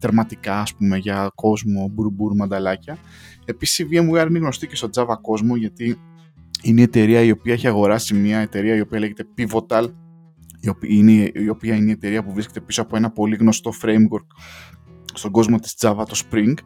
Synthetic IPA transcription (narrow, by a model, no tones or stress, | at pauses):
ðeɾmɐt̪ikɐːspume̞ʝɐko̞zmo̞buɾbuɾmɐnd̪ɐlɐcɐ | e̞pisi̥siviemuɐɾineɣno̞st̪ice̞st̪o̞d͡zɐvɐko̞zmo̞ʝɐt̪i | inee̞t̪e̞ɾiɐio̞piɐeçiɐɣo̞ɾɐsimiɐe̞t̪e̞ɾiɐio̞piɐle̞ʝe̞t̪e̞pivo̞t̪ɐl | iopineio̞piɐineet̪e̞ɾiɐpuvɾiske̞t̪e̞piso̞ɐpo̞enɐpo̞liɣno̞st̪o̞fɾe̞jmɣoɾk | st̪o̞ɡo̞zmo̞t̪i̥zd͡zɐvɐt̪o̞spɾiŋɡ